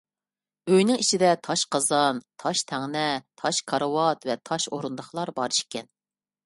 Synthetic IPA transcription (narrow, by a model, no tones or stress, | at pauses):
øjnɪŋit͡ʃʰid̪ɛt̪ʰɑʃqɑzɑnt̪ʰɑʃt̪ʰæŋnɛt̪ʰɑʃkʰɑɾwɑt̪vɛt̪ʰɑʃoɾund̪əχlˠɑɾbɑɾɨʃkʲʰɛn